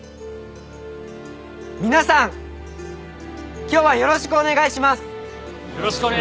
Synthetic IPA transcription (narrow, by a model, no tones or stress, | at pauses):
mʲinasãŋ | kʲo̞ːβajo̞ɾo̞ɕi̥kɯone̞ɡaiɕimasɨ̥